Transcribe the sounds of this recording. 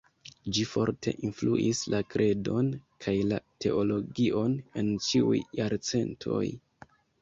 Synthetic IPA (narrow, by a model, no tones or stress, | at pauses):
d͡ʒifo̞̰ɾte̞̰ʔinfluʔislakɾʔe̞do̞nkʰajlatʰe̞ʔo̞lo̞ɡiʔo̞ne̞nt͡ʃiṵjːaɾt͡se̞ntʰo̞̰j